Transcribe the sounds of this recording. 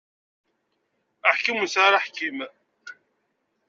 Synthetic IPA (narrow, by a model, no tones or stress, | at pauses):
aħkəmənsaɾaħkim